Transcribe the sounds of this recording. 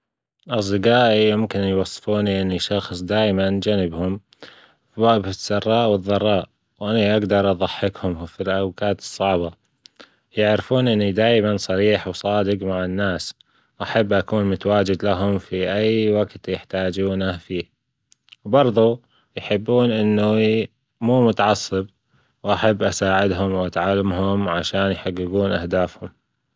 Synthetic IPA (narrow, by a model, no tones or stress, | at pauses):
ʔɑs̬ˤd̪ɪqaːʔijʊmkɪnjwɑsˤːfuːniʔɪnːiʃɑxsˤd̪aːjmand͡ʒanɪbhʊm | fiwaʔbɪsːɑrˤːɑːʔwɪðˤːɑrˤːɑːʔ | wʔɪnːiʔaɡd̪ɑɾˤʔɑðˤɑħːɪkhʊmfilʔawkaːt̪ɨ̥sˤːɑʕba | jɪʕɾɪfuːnʔɪnːid̪aːjmansˤɑɾiːħwsˤɑːd̪ɪɡmaʕɪnːaːs | wʔaħabːʔakuːnmʊt̪awaːd͡ʒɪd̪laɦʊmfiʔajwaɡt̪jɪħt̪aːd͡ʒuːnafiː | wbɑɾˤðˤu | jħɪbːuːnʔɪnːu | muːmʊt̪aʕɑsˤːɨb | wʔaħabːʔasaːʕɪd̪ɦʊmwʔat̪ʕalːamɦʊmʕaʃaːnjħaɡːɪɡuːnʔa̰hd̪aːfhʊm